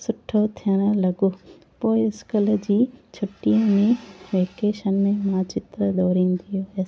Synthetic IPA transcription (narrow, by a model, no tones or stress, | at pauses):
sʊʈʰot̪ʰijəɽ̃ə̆lɐɡoː | poːɪɪskəl̆d͡ʑiːt͡ɕʰʊʈijə̃mẽʋeːkeːʃənɪ̆mẽmãːt͡ɕɪt̪ɾəd̪ɔːɾĩnd̪ʰijoes